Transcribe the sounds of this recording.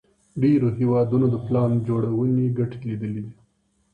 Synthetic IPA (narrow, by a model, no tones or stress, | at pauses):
ɖeɾoɦewɑd̪unod̪əplɑnd͡ʒoɽawəneɡaʈe̥lid̪əlid̪i